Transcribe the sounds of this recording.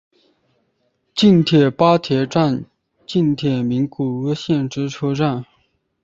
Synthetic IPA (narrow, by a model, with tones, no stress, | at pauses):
t͡ɕi˥˩nt̪ʰjɛ˨˩pa˥t̪ʰjɛ˨˥ʈ͡ʂa˥˧n | t͡ɕi˥˩nt̪ʰjɛ˨˩mi˧˥nku˨˩ɤ˥ɕjɛ˥˩nʈ͡ʂɻ̩˥ʈ͡ʂʰɤ˥ʈ͡ʂa˥˩n